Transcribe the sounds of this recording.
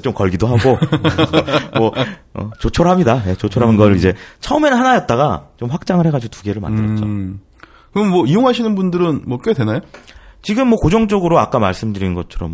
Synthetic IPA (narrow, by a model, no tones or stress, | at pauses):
t͡ɕomkʌɭɡidoɦaɡo | wʌ | ʌ̰t͡ɕot͡ɕʰoɾɦamɲidaje̞t͡ɕot͡ɕʰoɾɦamɯnɡʌɾɯɭid͡ʑe̞t͡ɕʰʌɯme̞nɯnɦanajʌt̚t͈aɡat͡ɕomɸwak̚t͡ɕ͈aŋɯɭheɡad͡ʑtuɡe̞ɾɯɭma̰nddɯɾʌt͡ɕo | kɯnmwʌijoŋɦaɕʰinɯnbundɯɾɯnmwʌk͈edwenajot͡ɕiɡɯmːwʌkod͡ʑʌŋt͡ɕʌɡɯɾoak͈amaɭs͈ɯmdɯɾinɯnɡʌt͡ɕʰʌɾʌm